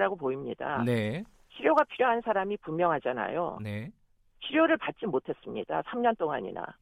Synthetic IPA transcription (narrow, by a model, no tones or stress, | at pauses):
ɾaɡopoimɲida̰ne | ɕʰiɾjoɡapʰiɾjoɦansʰaɾamipumːjʌŋɦad͡ʑana̰jo̰ne | ɕʰiɾjoɾɯɭpat̚t͡ɕ͈imotʰe̞s͈ɯmɲḭd̥a̰sʰamɲʌnt͈oŋa̰ɲḭna̰